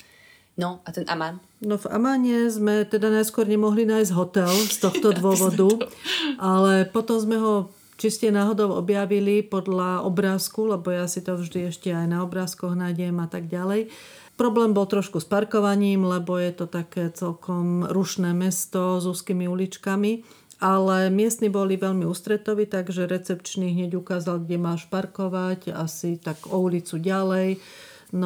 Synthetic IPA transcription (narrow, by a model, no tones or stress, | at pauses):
nɔat̪ɛna̰man | nɔva̰maːɲɛzmɛt̪ɛd̪anajskʊɔɾɲɛmɔɦlinaːjzɟɦɔt̪ɛlst̪ɔxt̪ɔd̪ʋʊɔʋɔd̪uʔalɛpɔt̪ɔmzmɛɦɔ | t͡ʃiscɛnaːɦɔd̪ɔʊɔ̰bjaʋilipɔd̪laɔbɾaːskulɛbɔjasit̪ɔvʒd̪iɛʃcɛajnaɔbɾaːskɔɣnajɟɛmat̪aɡɟalɛj | pɾɔblɛːmbɔlt̪ɾɔʃkuspaɾkɔʋaɲiːmlɛbɔjɛt̪ɔt̪akɛːt͡sɛlkɔmɾuʃnɛːmɛst̪ɔzuːskiːmiulit͡ʃkami | alɛmɪɛst̪nibɔliʋɛʎmiuːst̪ɾɛt̪ɔʋit̪aɡʒɛɾɛt͡sɛpt͡ʃniɦɲɛɟukaːzalɡɟɛmaːʃpaɾkɔʋacasit̪aɡɔulit͡suɟalɛj | n